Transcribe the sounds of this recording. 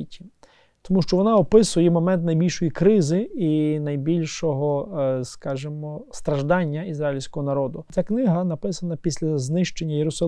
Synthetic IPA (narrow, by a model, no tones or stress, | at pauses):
itʲi̥ | t̪ɔmuʃt͡ʃɔʋɔnɑɔpɪsʊjɛmɔmɛnt̪nɐjbʲilʲʃɔjikɾɪzɪinɐjbʲilʲʃɔɦɔskɑʒemɔst̪ɾɐʒd̪ɑnʲːɐizɾɑjilʲsʲkɔɦɔnɐɾɔd̪ʊt͡sʲaknɪɦɐnɐpɪsɐnɐpʲisʲlʲɐznɪʃt͡ʃe̞nʲːɐjeɾʊsɐl